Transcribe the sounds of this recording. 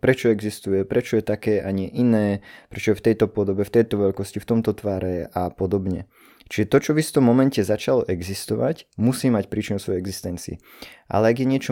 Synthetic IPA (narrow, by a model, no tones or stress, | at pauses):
pɾɛt͡ʃɔɛɡzist̪ujɛpɾɛt͡ʃɔjɛt̪akɛːʔaɲɪɛʔinɛːpɾɛt͡ʃɔjɛft̪ɛjt̪ɔpɔd̪ɔbɛft̪ɛjt̪ɔʋɛʎkɔscift̪ɔmt̪ɔt̪ʋaːɾɛapɔd̪ɔbɲɛ | t͡ʃiʒɛt̪ɔt͡ʃɔʋisft̪ɔmːɔmɛncɛzat͡ʃalɔʔɛɡzist̪ɔʋa̰cmusiːmacpɾiːt͡ʃinʊsɔjɛɛɡzist̪ɛnt͡siḭ | ʔa̰lɛaɡjɛɲɪɛt͡ʃɔ